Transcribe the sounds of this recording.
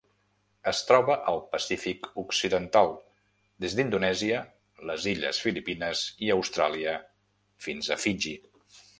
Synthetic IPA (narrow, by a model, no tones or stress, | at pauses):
əst̪ɾɔβəʔəlˠpəsifikuksiðənt̪alˠ | d̪ezd̪ind̪unɛziə | ləziʎə̰sfilipinəziəwst̪ɾaliə | finzəfiʒi